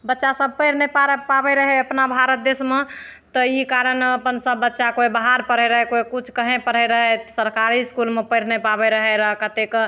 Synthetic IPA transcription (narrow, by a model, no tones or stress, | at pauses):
bətːʃasəb̚ʱpəɪɾnepapabɛɾəɦɛəpnabʱaɾət̪̚d̪esme | t̪ɔikaɾənəpənsəbːətːʃakoibaɦaɾpəɽ̤ɛɾəɦɛkoikut͡ʃʰkəɦẽpəɽ̤ɛɾəɦɛsəɾkaɾiskulmepəɪɾnepabeɾəɦɛɾəɦkət̪ek